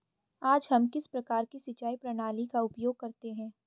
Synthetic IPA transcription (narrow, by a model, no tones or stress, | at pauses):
aːd͡ʒɦɐmkɪspɾɐkaːɾkisɪt͡ʃaːipɾɐɽ̃aːlikaʊpjoːɡ̚kɐɾt̪eɦɛ̃ː